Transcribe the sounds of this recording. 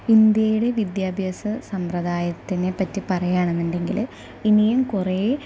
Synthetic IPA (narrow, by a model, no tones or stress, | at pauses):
ind̪jɐjuɽe̞ʋid̪jaːbʱjɐsɐsɐmprɐðaːjɐt̪ːinepɐtːipɐrɐjaːɳenːunɖe̞ŋɡil | inijumkureː